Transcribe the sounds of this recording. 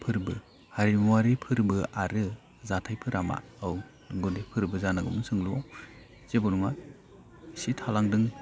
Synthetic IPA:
pʰɯɾbɯ | haɾimuwaɾipʰɯɾbɯʔaɾɯ | zatʰajpʰɯɾama̰aw | ŋɡodepʰɯɾbɯzanaɡɯmɯsɯŋluwaw | z̥ebɔɾuma | sitʰalaŋdɯŋ

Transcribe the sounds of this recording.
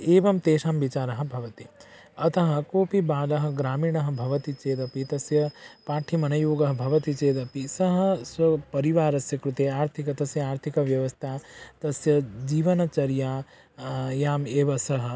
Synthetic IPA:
eːʋɐmt̪eːʃaːmʋit͡ʃaːɾɐɦɐ̆bʱɐʋɐt̪i | ɐt̪ɐɦɐ̆koːpibaːlɐɦɐ̆ɡɾaːmiːɳɐɦɐ̆bʱɐʋɐt̪it͡ʃeːd̪ɐpit̪ɐsjɐpaːʈʰimɐnɐjoːɡɐɦɐbʱɐʋɐt̪it͡ʃeːd̪ɐpisɐɦɐ̆sɐpɐɾiʋaːɾɐsjɐkɾut̪eːaːɾt̪ʰikɐt̪ɐsjɐaːɾt̪ʰikɐʋjɐʋɐst̪ʰaːt̪ɐsjɐd͡ʒiːʋɐnɐt͡ʃɐɾjaː | jaːmeːʋɐsɐɦɐ̆

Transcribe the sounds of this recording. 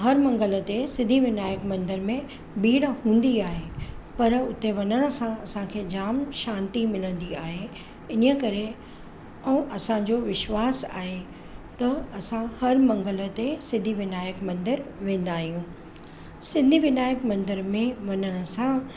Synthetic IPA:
ɦɐɾmɐ̃ŋɡələ̆t̪esɪ̃nd̪ʱiʋɪnaːjəkmɐ̃nd̪əɾmẽ | biːɽhũːn̆d̪iaːɦepɐɾʊt̪eʋɐnəɽ̃ə̆sãɐsãkʰeːd͡ʑaːmʃãːnt̪imɪlə̃nd̪iaːɦe | ɪnəkɐɾe | ɛ̃ʔɐsãd͡ʑoʋɪʃʋaːsa̰ːɦe | t̪ɐɐsãhɐɾmɐ̃ŋɡələ̆t̪esɪ̃nd̪ʱiʋɪnaːjəkmɐ̃nd̪əɾʋẽːn̆d̪aːɦijũ | sɪ̃nd̪ʱiʋɪnaːjəkmɐ̃nd̪əɾmẽʋɐnəɽ̃ə̆sã

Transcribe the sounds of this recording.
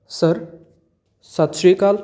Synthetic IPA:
səɾ | sat̪ɕɾikal

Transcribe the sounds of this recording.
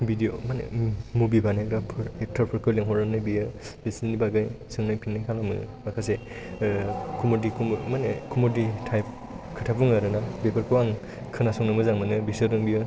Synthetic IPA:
bidiomanḛmubibanekɾapʰɯɾek̚tʰaɾpʰɯɾkʰɯliŋɦɔɾɯnnɯjbijɯbesinibaɡajsɯŋnajpʰinːajkʰalamɯ̰makʰas̬e | kʰumɔdikʰummanekʰumoditʰajp̚ | kʰɯtʰapʰuŋlaɾɯnabepʰaɾkʰɯwaŋ | kʰɯnasɔŋnɯmɯzaŋmɯnɯbisɯɾɯŋbijɯ

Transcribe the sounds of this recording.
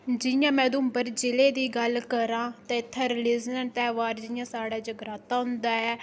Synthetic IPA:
d͡ʒɪjãːmɛ̃ːd̪ʊ̃mbəɾd͡ʒɪleːd̪iːɡəlkəɾãːt̪ɛ̃ːɪt̪ʰːɛ̃ːɾɪlɪːznənt̪ɛːʋaːɾd͡ʒɪjãːsaːɽaːd͡ʒəɡɾaːt̪aːɦʊnd̪aːɛː

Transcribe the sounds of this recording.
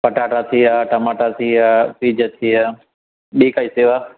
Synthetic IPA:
pəʈaːʈaːt̪ʰiːaʈəmaːʈat̪ʰiːapiːd͡ʒət̪ʰiːɦa | ɗiːkaːiːseːʋaː

